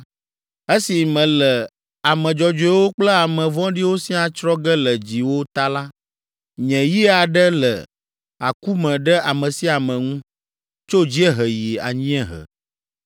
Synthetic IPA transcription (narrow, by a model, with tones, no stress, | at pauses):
e˦si˨mɛ̃˨lɛ˨ | a˨mɛ̃˨d͡ʒɔ˨d͡ʒɔ˨ɛ˦wo˦k͡plə˦a˨mɛ̃˨vɔ̃˦ɖi˦wo˦si˦a˨t͡ʃɾɔ˦ɡɛ˦lə˨d͡ʑi˨wo˦t̪a˦la˦ | ɲɛ̃˨ji˦a˨ɖɛ˦lə̰˨ | a˨ku˦mɛ̃˨ɖɛ˦ʔa˨mɛ̃˨si˦a˨mɛ̃˨ŋũ˦ | t͡ʃo˦d͡ʑi˦ɛ˦ɦə˨ji˨a̰˨ɲĩ˦ɛ˦ɦə̰˨